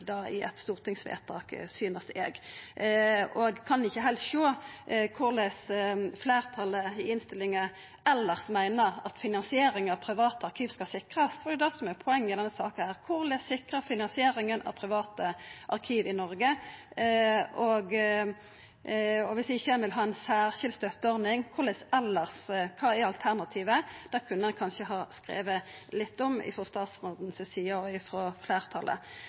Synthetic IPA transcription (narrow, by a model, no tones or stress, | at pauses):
d̪ɑːɪ̰ʔɛ̰t̪st̪uːʁt̪ɪŋsʋḛːʁt̪ʰɑ̰ːksyːnəst̪ɛːɡ | ɔɡkʰɑnɪçːəɦɛlʃoːkʰʊʁlɛsfleːʁt̪ʰɑləɪɪnst̪ɪlːɪŋə | ɛlːəʁsmæɪnəʁɑt̪fɪnɑnsɪeːɾɪŋɑʋpʰʁɪʋɑːt̪əɑʁkʰiːʋskɑsɪkʁɑsfɔʁd̪ɛd̪ɛsɔmɛʁpʰɔɛŋːmɪd̪ɛnːəsɑːkənæːʁkʰʊʁlɛːsɪkʁəfɪnɑnsɪeːʁɪŋənɑ̰ʋpʰʁɪʋɑːt̪əʔɑʁkʰiːʋɪnɔʁɡə | ʔɔɡ | ɔʋɪsɪçːəænʋɪlɦɑːɛɪnsæːʁʃɪld̪st̪œt̪ːəɔɾnɪŋkʰʊʁlɛsɛlːəʁskʰɑːæɑlt̪ʰæʁnɑt̪ʰiːʋəd̪̥æːkʰʉnːəɛnkʰɑnʃəɦɑːskʁḛːʋəlɪt̪ːɔmɪ̰fɾɔst̪ɑːt̪sʁoːd̪n̩sɛsiːɑɔɪfɾɔfleːʁt̪ʰɑlʔə̰